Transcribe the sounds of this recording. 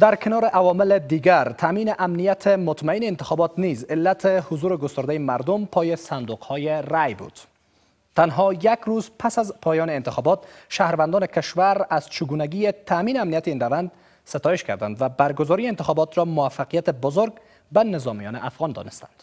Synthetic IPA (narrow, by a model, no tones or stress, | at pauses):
d̪aɾkʰɪnɒɾɪʔawɒmɪlɪd̪iɡaɾt̪ʰaminɪʔamnijat̪ʰɪmʊt̪maineːnt̪ɪxɒbɒt̪nizɪlːat̪ʰehʊzuɾeɡʊst̪ʊɾd̪ajemaɾd̪ʊmpʰɒjesand̪uqhɔjerajbṵd̪̥ | t̪ːanɦɒjaɡɾuzpʰasazpʰɒjɒneːnt̪ɪxɒbɔt̪ʃahɾvand̪ɔnɪkɪʃwaɾaz̥t͡ʃʰɪɡunaɡijet̪ʰaminɪamnijat̪einravand̪ | sɪt̪ɒjeʃka̰ɾd̪a̰nd̪vabaɾɡʊzɔɾiɪnt̪ɪxɒbɔt̪ɾɔmʊafːaqijat̪ɪbʊzoɾɡ̚ | banɪzɒmijɒ̰nɪʔafɣɒnd̪ɒ̰nɪst̪and̪̥